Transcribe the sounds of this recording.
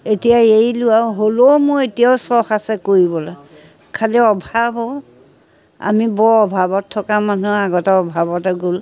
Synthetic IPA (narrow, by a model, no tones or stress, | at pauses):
etijaejlʊwawɦolowmoetijawsɔxasɛkoɹibɔlɔ | kʰaliɔbʱabɔ | a̰mibɔɹɔbʱabɔtʰːɔkamanuaɡɔtɛɔbʱabɔtɛɡol